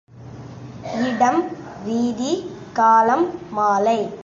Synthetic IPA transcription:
ɪɽɐm | ʋiːði | kaːlɐmːaːlɐɪ

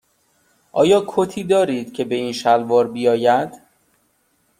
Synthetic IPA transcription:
ʔɒːjɒːkʰot̪ʰiːd̪ɒːɾiːd̪̥cʰe̞be̞iːnʃælvɒːɾbijɒːjæd̪̥

